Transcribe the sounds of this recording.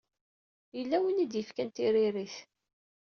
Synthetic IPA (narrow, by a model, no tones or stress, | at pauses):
jəlːæwənid̪jəfkænt̪iɾɪɾiθ